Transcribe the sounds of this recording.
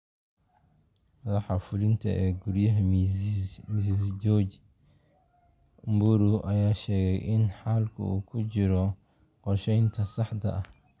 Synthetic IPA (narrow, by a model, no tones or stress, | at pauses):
mɐðɑħɑfʊlɪnt̪ʰɐ̰ʔɛːɡuɾjɐɦɐ | mɪsisd͡ʒɔːd͡ʒ | mbʊɾuʔɐjaːʃɛːɣɛjʔɪnħaːlkʰʊ̰ṵːkʰʊt͡ʃɪɾɔ | qɔrʃɛjnt̪ʰɐsɑħd̪ɐɐh